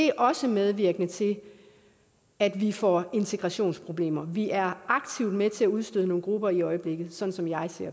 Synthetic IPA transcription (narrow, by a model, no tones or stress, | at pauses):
de̝ʔɒ̽səmeð̞ˠʋiɐɡ̥ənət͡sʰe̝l | æd̥ʋifɒ̰e̝nt͡sʰeɡ̥ʁɑ̈ɕo̝̰ːnspʰʁo̝b̥le̝̰ːmɐʋiʔæɐɑ̈ɡ̥̚t͡sʰiʊd̥met͡sʰe̝æuð̞ˠsd̥øðˠəno̝ːn̩ɡ̥ʁub̥ɐiɒ̽ɪəb̥le̝ɡ̥ð̩ˠsɒ̽n̩sɒ̽mjɑ̈ɪseɐ̰